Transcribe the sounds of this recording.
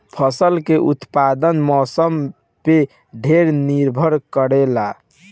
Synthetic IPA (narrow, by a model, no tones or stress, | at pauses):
pʰəsəlkeʔut̪pad̪ənmɔsəm | pe | ɖʱeɾniɾbʱəɾkəɾela